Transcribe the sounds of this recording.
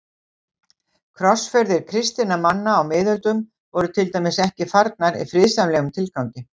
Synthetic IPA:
kʰɾɔsfɛɾðɪɾ̥kʰɾɪst̪inamanːaːwmɪːðʏlt̪ʏm | vɔɾʏt̪ʰɪlt̪ajmɪsɛhcɪfaɾt̪̚naɾḭfɾɪðsamlɛːɣʏmt̪ʰɪlkawɲcɪ

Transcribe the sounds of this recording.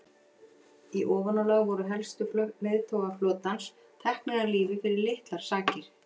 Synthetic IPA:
iʔɔːvɔnalaːɣvɔɾʏɦɛlst̪ʏflœmɛðt̪ʰowɣaflɔːt̪ans | t̪ʰɛhknɛɣaɾliːvɪfɪɾɪɾlɪht̪laɾ̥saːcɪɾ̥

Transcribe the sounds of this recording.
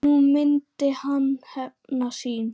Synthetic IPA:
ument̪ːehɑnhænɑsiːn

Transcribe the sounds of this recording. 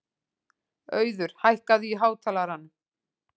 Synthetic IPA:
œːɥðʏɾ̥hajhkaðɪiɦaːwt̪ʰaːlaɾanːʏ

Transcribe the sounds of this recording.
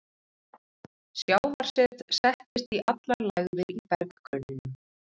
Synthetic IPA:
sjaːwvaɾ̥sɪt̪sɛht̪ɪst̪iʔat̪laɾlaɣvɪipɛɾkkʰœnɪn

